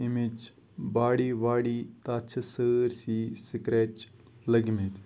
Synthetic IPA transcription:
imid͡ʒ | baːɽiːʋaːɽiːt̪aːt͡ʃʰɐsəɾsiːsikɾeːʈ | lɐɡmet̪

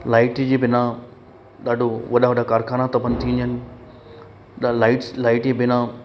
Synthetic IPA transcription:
laːɪʈd͡ʑiːbɪna | ɗaːɖʱoʋɐɗaʋɐɗakaːɾkʰaːnat̪ɐbənt̪ʰĩnd̪iɦənɪ̆ | ɗalaːɪʈlaːɪʈd͡ʑebɪna

